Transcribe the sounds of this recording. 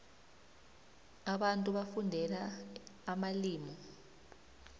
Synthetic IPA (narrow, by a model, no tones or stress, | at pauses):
aɓantʼuɓafundʱɛlaː | maliːmɔ